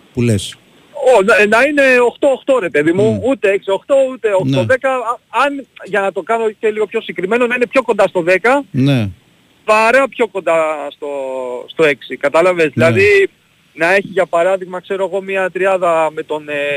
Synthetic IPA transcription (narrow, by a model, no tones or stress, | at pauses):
pules | onnɐine̞o̞xt̪o̞ːxt̪o̞ɾe̞peðimuut̪eeksio̞xt̪o̞ut̪e̞oxt̪oðe̞kɐɐnʝɐnɐt̪o̞kɐno̞celiɣo̞pço̞siŋkɾime̞no̞nɐine̞pço̞ko̞nd̪ɐst̪o̞ðe̞kɐne | pɐɾɐpço̞kond̪ɐst̪o̞st̪o̞e̞ksikɐt̪ɐlɐve̞zðilɐði | nɐe̞çiʝɐpɐɾɐðiɣmɐkse̞ɾo̞eɣo̞miɐt̪ɾiɐðɐme̞t̪o̞n